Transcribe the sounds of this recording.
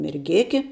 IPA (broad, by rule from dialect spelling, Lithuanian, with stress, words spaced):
mʲɛrʲˈɡʲeːkʲɪ